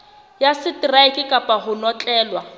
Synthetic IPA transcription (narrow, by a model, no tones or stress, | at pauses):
jasɪtiraɪkʼɪkʼapʼaɦʊnɔt͡ɬʼɛːlwa